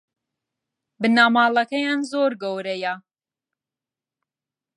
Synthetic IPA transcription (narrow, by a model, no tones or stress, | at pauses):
bɨnaːmaːlˠɐkɐjaːnzoːɾɡowɾɛja